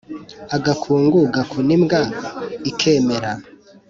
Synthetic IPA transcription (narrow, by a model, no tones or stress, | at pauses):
aɡakʰuːŋɡuɡakʰunimɡaikʰe̞ːmeɾa